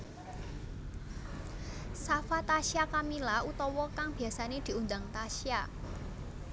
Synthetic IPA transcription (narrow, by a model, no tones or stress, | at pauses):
safat̪aʃiakamilaut̪ɔwɔkaŋb̥i̤asaned̪̥i̤und̪aŋt̪aʃia